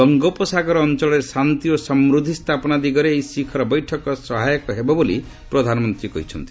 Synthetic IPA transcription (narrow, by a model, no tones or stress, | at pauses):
ɔŋɡɔpɔsakɔɾɔːnt͡ʃɔɭɔɾesant̪iosɔmɾud̪ʱːist̪ʰapɔnad̪iɡɔɾeːjsikʰɔɾɔbɔjʈʰɔkɔsɔɦajɔkɔɦebɔbolḭ | pɾɔd̪ʱanɔmɔnt̪ɾikɔɦit͡ʃʰʌ̰nt̪i